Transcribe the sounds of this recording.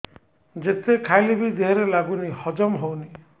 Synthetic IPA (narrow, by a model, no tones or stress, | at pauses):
d͡ʒet̪ekʰajlibid̪iɦɔɾelaɡunihɔd͡ʒɔmɦowni